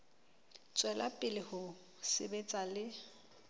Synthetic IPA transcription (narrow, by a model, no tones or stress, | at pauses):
t͡sʼwɛlapʼɪlɪhʊ | sɪ̰bet͡sʼalɪ